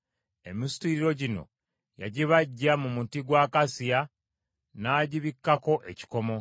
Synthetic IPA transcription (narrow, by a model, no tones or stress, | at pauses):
e̞mistiɾiɾo̞ɟino̞̰ | ja̰ɟiβaɟːamumutiɡwaːkasija | naːɟiβikːako̞ʔe̞ci̥ko̞mo̞